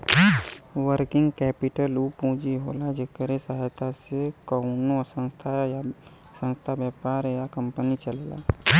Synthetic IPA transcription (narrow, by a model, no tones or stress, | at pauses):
ʋəɾkɪ̃ŋɡkɛːpɪʈəlupũːd͡ʒiɦoːlad͡ʒekəɾesaɦjt̪ʰasekɔnosə̃nst̪ʰaj | sə̃nst̪ʰabjəːpaːɾjakə̃mpənit͡ʃəlla̰ː